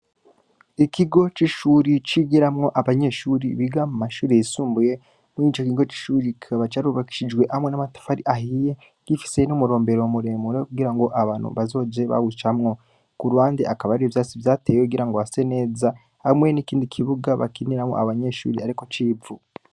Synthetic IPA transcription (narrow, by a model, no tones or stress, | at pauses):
ikiɡo̞t͡ʃiʃuːɾit͡ʃiɡiɾamŋo̞ʔaβaɲe̞ʃuːɾiβiɡamumaʃuːɾejisuːmbuje̞ | muniːt͡ʃokiɡo̞t͡ʃi̥ʃuɾikʰaβat͡ʃaɾuβaki̥ʃid͡ʒɡwe̞ʔhamwe̞namatḁfaɾiʔahije | kifi̥se̞numuɾo̞ːmbe̞ɾo̞muɾe̞muɾekuɡiɾaŋɡo̞ʔaβaːnṵβazo̞ːd͡ʒe̞βa̰hut͡ʃamŋo̞ | kuɾwaːndeʔakaβaɾiɾevjaːt͡sivjaːteːjekuɡiɾaŋɡoase̞ne̞ːza | hamwe̞nikiːndikʰiβuɡaβa̰kiniɾamŋo̰a̰βaɲe̞ʃṵːɾiaɾiko̞t͡ʃiːu